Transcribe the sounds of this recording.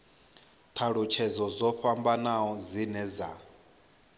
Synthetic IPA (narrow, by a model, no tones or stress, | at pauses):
t̪ʰaɺut͡ʃʰɛzɔzɔɸambanaɔzinɛza